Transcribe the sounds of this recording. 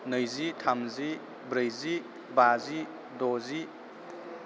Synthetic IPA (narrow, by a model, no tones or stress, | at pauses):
nəjzitʰamzi | bɾəjzi | bazi | dɔzi